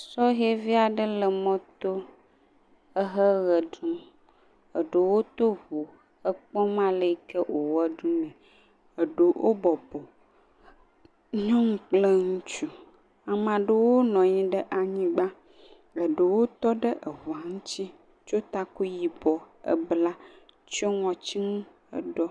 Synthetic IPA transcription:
sɔ˦ɦe˦vi˦a˨ɖə˦lə˨mɔ̃˦t̪o˦ | ə˦ɦə˦ɣə˨ɖũ˦m | ə˨ɖə˨wo˦t̪o˦βo˨ | ə˦k͡pɔ̃˦mã˦lə˨i˨kə˦ʔo˨wɛ˦ɖũ˦nɛ̃˨ | ə˨ɖə˨wʔo̰˦bɔ˨bo˨ | ɲɔ̃˦ŋũ˦k͡plə˦ŋũ˦t͡ʃu˦ | a˨mã˨ɖə˦wo˦nɔ̃˨ɲĩ˦ɖə˦ʔa˨ɲĩ˦ɡ͡bã˦ | ə˨ɖə˨wo˦t̪ɔ˦ɖə˦ʔə˨βɔ˨a˨ŋũ˦t͡ɕi˦ | t͡ʃo˦t̪a˦ku˦ji˨bɔ˨ə̰˨bla˦ | t͡ʃɔ˦ŋɔ̃˨t͡ɕi˦ŋũ˦ | ə̰˦ɖɔ˦

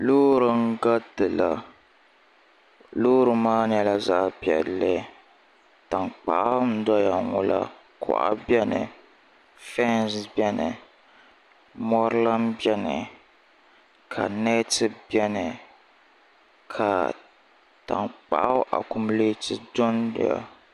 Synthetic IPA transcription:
loː˦ɾɨ˨ŋ˦ɡa˦dɨ˨la˨ | loː˦ɾɨ˦maː˦nɛ˦la˦za˦ʔpjɛ̰˨lːɨ˦ | ta˨ŋk͡pa̰˨ʔa˦n̩˦dɔ˦ja˨ŋʊ˨la̰˦ | kʰʊ̰˨ʔa̰˦bjɛ˦nɨ̰˨ | fɛ˦n˨sbɛ˦nɨ˨ | mɔ˦ɾɨ˦la˦mbjɛ˦nɨ˨ | kʰa̰˨nɛ˦tɨ˦bjɛ˦nɨ˨ | kʰa˨ | ta̰˨ŋk͡pa̰˨ʔa˦ʔa̰˨kʊ˨mleː˦tɨ˦dʊ˦ndɪ̰˦ja̰˨

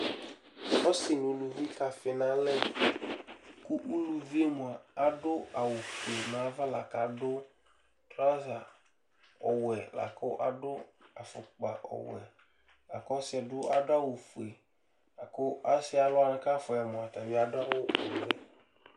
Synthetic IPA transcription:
ɔ˦sɪ˨n˨u˨lu˨vi˦ka˨fɪ˨nã˦lɛ˦ | ku˦ʔu˦lu˨vi˦e˦mʊ̃˨a˨a˨dʊ˦a˨wʊ˨fu˨e˨mã˨˦va˦la˨ka˨dʊ˦ | tɾa˦za˨ | ɔ˨wɛ˨la̰˨kʊ˦ʔa̰˨dʊ˦a˨fʊ̰˨k͡pa̰˨ʔɔ̰˨wɛ̰˨ | la̰˨kɔ˦sɪ˦ɛ˨dʊ˦a˨dʊ˦a˦wʊ˨fu˨e˨ | a˨kʊ˦ʔa˦sɪ˦a˨lʊ˦a˦n˦ka˦fʊ˨ɛ˨mʊ̃˨a˨ta˨bɪ˦a˨dʊ˦a˦wʊ˦ɔ˨wɛ˨

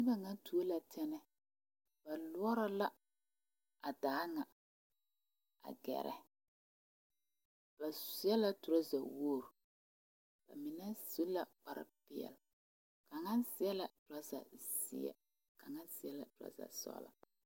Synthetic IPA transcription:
nɪ˦ɡa˨ŋa˦tu˨o˦la˨tʰɛ˦nɛ˦ | b̥a˨lʊ˦ɔ˦ɾa˦la˦ | a˨daː˨˦ŋa˨ | a̰˨ɡɛ̰˨ɾɛ̰˨ | ba˨sɪ˦ɛ˦la˦tʊ˨ɾa˦za˨wo˦˨ɾ | b̥a̰˨mɪ˨nɛ˦su˦la˦k͡pa˨ɾa̰˨pɪ˨ɛ̰˨l | ka˨ŋa˦nsɪ˨ɛ˦la˨tʊ˨ɾa˦za̰˨sɪ̰˦ɛ̰˨ | ka˨ŋa˦nsɪ˨ɛ˦la̰˨tʊ˨ɾa̰˦za̰˨sɔ̰˦la̰˨

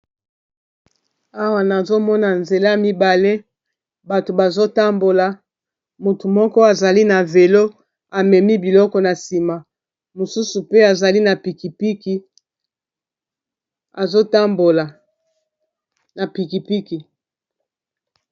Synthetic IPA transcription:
a˦wa˨na˨zo˦mɔ˦na˨nze˨la˦mi˦ba˨le˦ | ba˨to˨ba˨zo˦ta˦mbo˨la˨ | mo˨tu˨mɔ˦kɔ˦a˨za˨li˦na˨ve˨lo˦ | a˨mɛ˨mi˦bi˨lɔ˦kɔ˨na˨si˨ma˨ | mo˨su˦su˨pe˦a˨za˨li˦na˨pi˨ki˨pi˦ki˦ | a˨zo˦ta˦mbo˨la˨ | na˨pi˨ki˨pi˦ki˨

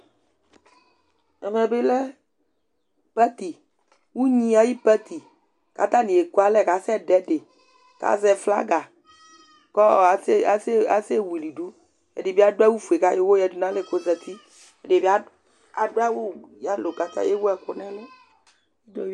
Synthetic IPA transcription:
ɛ̰˨mɛ˨be˦lɛ˦ | pɛ˦t̪i˨ | wu˦ɲĩ˦a˦ji˦pɛ˦t̪i˨ | ka̰˨t̪a˦nĩ˨e˨ko˦a˦lɛ˦ka˨sɛ˦ɖɛ˦ɖe˨ | ka̰˦zɛ˨fla̰˦ɡa˨ | kɔ˦˨˦a˨sa̰˨se˦wi˨li˨ɖu˦ | ɛ̰˨ɖe˨bi˦a˦do˦a˦wu˦fu˨e˨ka˦je˦wo˦jɛ˨du˨nã˦le˨ko˨zɛ˨t̪ʰi˦ | ɛ˨ɖe˨bi˦a˦ | a˨do˦a˦wo˦ja˦lo˨ɡa˨t̪a̰˦˨je˦wo˦ɛ˨ko˨n˦a˦lɛ˦ | e˦do˦

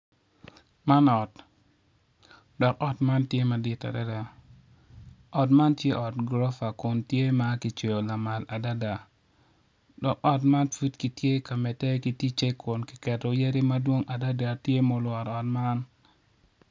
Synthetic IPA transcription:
ma˦nɔ˨t | dɔ˨kɔ˦tma˦ntje˦ma˨dɪ˨ta̰˨da˦da˨ | ɔ˨tma˦ntje˦ʔɔ˨tɡɾɔ˦fa˨kʊ˨ntje˦ma˦ki˨t͡ʃe˨jo˨la˨ma˨la˨da˦da˨ | dɔ˨kɔ˦tma˦nfu˦tki˨tje˦ka˨mɛ˨tɛ˦ki˨ti˦t͡ʃe˦kʰʊ˨nki̥˨kɛ˨to˨je˦ɾi˦ma˦dwo˦ŋʔa˨da˦da˨tje˦mo˦lwɔ˨ɾɔ˨tma˦n

